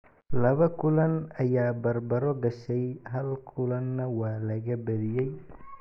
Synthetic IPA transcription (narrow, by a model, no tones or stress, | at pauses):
lɐβɐkʰʊlɐnɐjaːbɐrbɐɾɔɖɐʃɛjɦɐlkʰʊlɐnːɐwɑːlɐɣɐbɐðɪjɛj